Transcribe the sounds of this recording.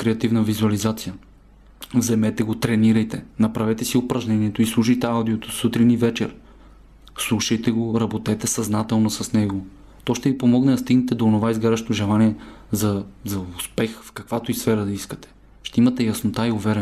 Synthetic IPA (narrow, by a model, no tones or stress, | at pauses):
kɾɛɐt̪ivnəvizuɐlizat̪sijə | vzɛmɛt̪ɛɡot̪ɾɛniɾɐjt̪ɛnɐpɾɐvɛt̪ɛsiopɾɐʒnɛniɛt̪oislˠuʃɐjt̪ɛawd̪iot̪o̥sut̪ɾinivɛt͡ʃɛ̰ɾ | slˠuʃɐjt̪ɛɡoɾɐbot̪ɛt̪ɛsɐznat̪ɛlˠnosɐsnɛɡo | t̪ɔʃt̪ɛvipomɔɡnɛd̪ɐst̪iɡnɛt̪ɛd̪oːnovaizɡaɾɐʃt̪oʒɛlˠaniɛzɐzɐʊspɛxfkɐkvat̪oisfɛɾəd̪ɐiskə̥t̪ɛ̥ | ʃt̪ɛimɐt̪ɛjɐsnot̪aiovɛɾɛ